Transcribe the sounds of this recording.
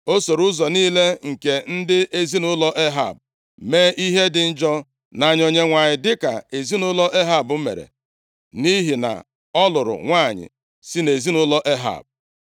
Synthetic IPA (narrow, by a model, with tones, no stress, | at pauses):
o˦so˨ɾʊ˦zɔ˨niː˦le˦ŋ̩˨ke˨n̩˦dɪ˦ʔe˦zi˦nʊ˦lɔ˦ʔe˦ɦa̰˨b̚ | meː˦ʔi˦ɦe˦dɪ˨n̩˦d͡ʒɔ˦ | na˨ɲo˨ɲe˦ŋʷa˨ɲɪ˨dɪ˦ka̰˨e˨zi˦nʊ˦lɔ˦ʔe˦ɦa˨bʊ˦mḛ˨ɾḛ˨ | ni˦ɦi˨na̰˨ | ɔ˦lʊ˨ɾʊ̰˨ŋʷa˦˨ɲɪ̰˨ | si˦ne˨zi˦nʊ˦lɔ˦ʔe˦ɦa̰˨b̚